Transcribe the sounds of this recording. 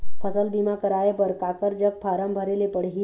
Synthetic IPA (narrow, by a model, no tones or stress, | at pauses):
pʰəsəlbiːmakəɾaːepəɾkakəɾd͡ʒək̚pʰaːɾəmbʱəɾelepəɽ̤ɦi